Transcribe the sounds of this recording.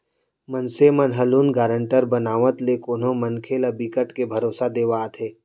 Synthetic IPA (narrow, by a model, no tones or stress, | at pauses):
mənsemənɦɐluːnɡaːɾə̃ɳʈəɾbənaːʋət̪lekoːnõmənkʰeləbiːkəʈkebʱɐɾoːsad̪eːʋaːt̪ʰeː